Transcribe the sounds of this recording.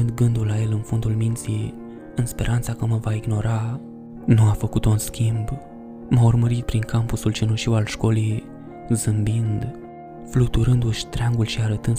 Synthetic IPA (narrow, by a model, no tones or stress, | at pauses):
ɨnd̪ɡɨnd̪ulːaje̞lɨnfond̪ulmint̪siej | ɨnspe̞ɾʔant̪sakəməvaiɡno̞ɾa | nuafəkut̪unskʲimb | maurməɾit̪̚pɾiŋkampusult͡ʃinuʃiwalʃko̞lij | zɨmbind̪ | flut̪uɾɨnd̪uʃʲt̪ɾeaŋɡulʃiaɾət̪ɨn